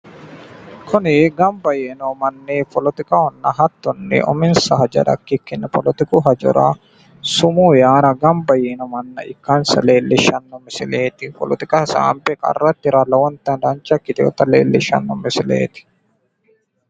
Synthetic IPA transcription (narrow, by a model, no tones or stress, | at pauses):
kʰʊnɪɡɐmbɐjeːnɔmɐnːeːpɔlɔt̪ɪkɐhɔnːɐɦɐt̪ːɔnːɛ̰ʔɔ̰mɪnsɐɦɐd͡ʒɐ̰ᶑɐ̰kːɪkːɪnːɛpɔlɔt̪ɪkuɦɐd͡ʒɔ̰ɾa̰ | sʊmuːjaːɾɐɡɐmbɐjeːnɔmɐnːɐ̰ʔɪkːansɐ̰leːlːɪʃɐnːɔmɪsɪleːt̪ɪpɔ̰lɔt̪ɪkʼɐsa̰ːmpɛkʼɐ̰rːɐt̪ːɪɾɐlɐwɔnt̪ːɐnd̪ɐnt͡ʃɐkːɪt̪ɛɔ̰t̪ɐleːlːɪʃɐ̰nːɔmɪsɪlḛːt̪ɪ̥